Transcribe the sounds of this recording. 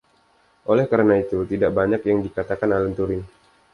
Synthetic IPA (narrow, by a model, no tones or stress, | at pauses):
ʔolɛhkaɾənait̪ut̪idaʔbaɲakjaŋdikat̪akanalənt̪uɾɪn